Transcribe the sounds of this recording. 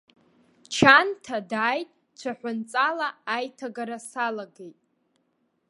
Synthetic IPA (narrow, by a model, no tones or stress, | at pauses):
t͡ʃʰantʰadaːjtʼ | t͡ɕʷʰaħʷʊnt͡sʼalaːjtʰaɡaɾasalaɡejtʼ